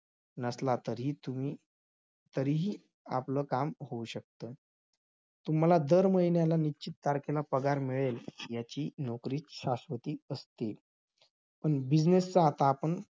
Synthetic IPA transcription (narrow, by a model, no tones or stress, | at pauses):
nəslat̪əɾiui | t̪əɾiɦiː | a̰pləːkamɦouɕək̚t̪əː | t̪um̤alad̪əɾməɦinjalanit͡ɕit̪̚ːaɾkʰelapəɡaɾmiɭeljat͡ɕiːnokɾiːt͡sɕasʋət̪iːəst̪e | pəɳbid͡znest͡saːt̪aːpəɳ